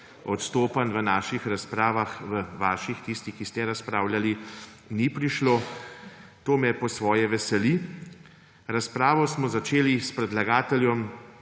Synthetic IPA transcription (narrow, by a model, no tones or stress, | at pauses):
ɔt̪st̪oːpanʋənaːʃixɾaspɾaːʋaxʋəʋaːʃixt̪ist̪ixkist̪ɛɾaspɾaːwlali | nipɾiʃloː | t̪oːmɛpɔsʋɔːjɛʋɛsɛli | ɾaspɾaːʋɔsmɔzat͡ʃeːlispɾɛd̪laɡaːt̪ɛljɔm